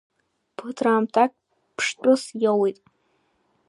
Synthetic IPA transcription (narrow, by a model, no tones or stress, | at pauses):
pʰɨtʰraːmtʰak̚ʲʼ | pʰʂtʼʊsjowijtʼ